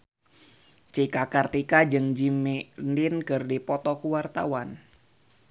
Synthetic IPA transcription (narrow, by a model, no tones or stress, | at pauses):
t͡ʃikakart̪ikad͡ʒɨŋd͡ʒimindinkɨrdipɔt̪ɔkuwart̪awan